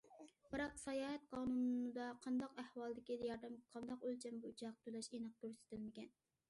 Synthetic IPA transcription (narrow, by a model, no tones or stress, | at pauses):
b̥ɨɾɑqsɑjɑːɦɛt̪̚qʰɑːnunɨd̪ɑqʰɑnd̪ɑqæhwɑlˠd̪ɪkʲid̪jɑɾd̪ɛmqʰɑnd̪ɑqølt͡ʃʰɛmbut͡ʃʰɑq̚t̪ʰølɛʃenɨq̚t̪yɾsɪ̥t̪ʰɪlmɪkʲɛn